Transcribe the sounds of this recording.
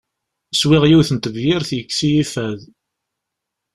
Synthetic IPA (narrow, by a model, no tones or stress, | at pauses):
swɪʁjiwθənt̪əvjɪɾθjəkːsijifæð